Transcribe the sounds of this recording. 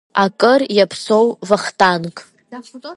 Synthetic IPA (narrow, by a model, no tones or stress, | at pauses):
akʼɨrjapʰsowvaχtʰankʼ